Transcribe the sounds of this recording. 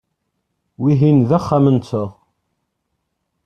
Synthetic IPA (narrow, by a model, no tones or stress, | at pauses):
wiɦinðæχːæmənt͡sːəʁ